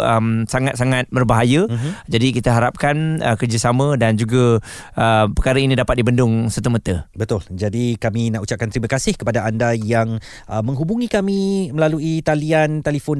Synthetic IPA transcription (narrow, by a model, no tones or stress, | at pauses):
əmsaŋat̪̚saŋat̪̚bərbaɦajəd͡ʒadikit̪aɦaɾap̚kanəkərd͡ʒasamə̃dand͡ʒuɡaəpəkaɾainĩdapat̪̚dibəndʊŋsət̪umət̪əbət̪ʊld͡ʒadikamĩnaʔut͡ʃap̚kant̪ɾimãkasɪhkəpadaandajaŋ | ʔəmə̃ŋɦubuŋĩkamĩməlaluit̪aliant̪ɛlifʊn